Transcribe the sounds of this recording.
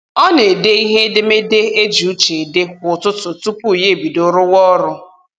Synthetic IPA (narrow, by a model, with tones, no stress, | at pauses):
ɔ˦ne˨de˦i˦ɦe˦de˦me˦de˦e˦d͡ʒu˨˦t͡ʃe˨de˦kʷʊ˨tʊ˦tʊ˨tu˦pu˦˨je˦˨bi˨dʊ˦ɾʊ˦wɔ˦ɾʊ˦